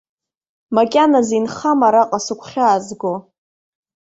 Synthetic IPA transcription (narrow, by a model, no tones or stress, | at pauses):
makʲʼanazinχamaɾaqʼasɨkʷʰχʲaːzɡo